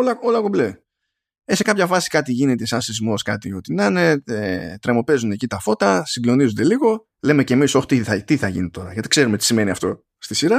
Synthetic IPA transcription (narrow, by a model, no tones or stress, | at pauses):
olɐolɐkoble | ese̞kɐpçɐfɐsi̥kɐt̪iʝinet̪esɐsizmo̞skɐt̪io̞t̪inɐne̞et̪ɾemo̞pe̞zund̪ecit̪ɐfo̞t̪ɐsiɡlo̞nizund̪e̞liɣo̞ | le̞mece̞miso̞ç̥t̪it̪iθɐʝḭnit̪o̞ɾɐʝɐt̪i̥kse̞ɾumet̪i̥sime̞niɐft̪o̞̰ | st̪isiɾɐ